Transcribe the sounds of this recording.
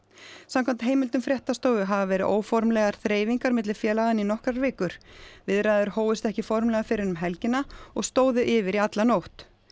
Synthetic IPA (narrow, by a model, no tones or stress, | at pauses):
sãmkʰɛmnt̪ɦeːjmɪlt̪ʏmfɾjɛht̪ast̪oːwðʏɦavavɛːɾɪðʔoːwfɔɾmlɛɣaɾ̥θɾeːjviŋkaɾmɪt̪lɪ̥fjɛːlaɣðɪninɔhkɾaɾvɪːkʏɾ̥vɪðɾajðʏɾ̥hoːwɪst̪ɛhcɪfɔɾmlɛɣafɪɾɪɪnʏmɦɛlcɪnːaɔɣst̪oːwðʏʔɪvɪɾiat̪lanowht̪